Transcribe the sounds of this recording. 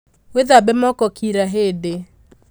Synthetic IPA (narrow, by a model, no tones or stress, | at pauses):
weðabɛmɔkɔkʰiɾaɦede